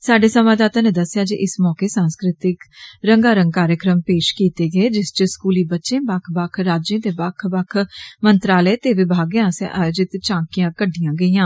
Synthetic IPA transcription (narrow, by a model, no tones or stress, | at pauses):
saːɖeːsəmãːd̪aːt̪ãːneːd̪əsːɪjaːd͡ʒḭʔɪsmɔːkeːsãːnskɾɪt̪ɪkɾəŋɡaːɾəŋɡ̚kaːɾjəkɾəmpeːʃkiːt̪eːɡəeːd͡ʒɪst͡ʃəskuːliːbətːʃẽːbakʰbakʰɾaːd͡ʒẽːt̪eːbakʰbakʰmənt̪ɾaːləːt̪eːʋɪbʱaːɡjãːsʔaːjod͡ʒɪt̪t͡ʃãːkijãːkəɖːijãːɡəiːãː